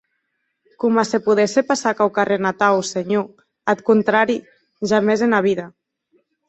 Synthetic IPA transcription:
kumasepuð̞ɛsepasakawkarenat̪awseɲo | at̪̚kunt̪ɾaɾi | ʒamezenaβ̞iða

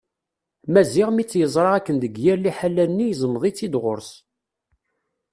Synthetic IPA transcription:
mæziʁmit͡sːjəzˤɾˤɑækːənðəɡjɪɾliħalːænːijzˤmːðˤit͡sːid̪ʁʊɾs

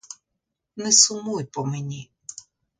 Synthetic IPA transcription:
nɛsʊmujpɔmenʲi

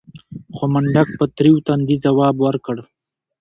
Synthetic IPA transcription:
xomaɳɖak̚pət̪ɾiwt̪and̪izawɑːbwəɾkəɽ

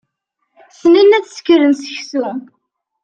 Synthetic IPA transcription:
θninːæt͡sːskːəɾənsə̥çsu

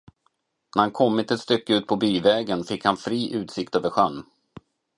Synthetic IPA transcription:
næɾhankʰɔmːɪt̪ɛt̪st̪ʏkːəʉ̟ːt̪̚pʰɔbyːvɛːɡənfɪkhanfɾiːʔʉ̟ːt̪sɪkt̪øːvəɾɧœnː

